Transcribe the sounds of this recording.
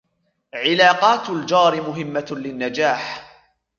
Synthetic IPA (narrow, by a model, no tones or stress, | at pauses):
ʕɪlaːqɑːt̪ʊld͡ʒɑːɾɪmʊɦɪmːalɪnːad͡ʒaːħ